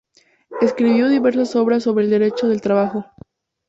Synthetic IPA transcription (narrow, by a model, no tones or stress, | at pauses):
e̞skɾiβjo̞ðiβe̞ɾsaso̞βɾas̬ːo̞βɾeːld̪e̞ɾe̞t͡ʃo̞ðe̞lt̪ɾaβaxo̞